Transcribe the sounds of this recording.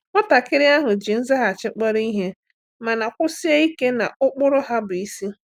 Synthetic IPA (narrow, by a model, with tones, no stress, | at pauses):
ŋɔ˦ta˨kɪ˦ɾɪ˦a˦ɦʊ˨d͡ʒɪ˨n̩˦zɪ˦ɦa˨t͡ʃɪ˦k͡pɔ˦ɾi˦ɦe˦ | ma˨na˨kʷʊ˦si˦e˦i˦ke˦na˨ʊ˦k͡pʊ˦ɾʊ˦ɦa˦bʊ˨i˦si˦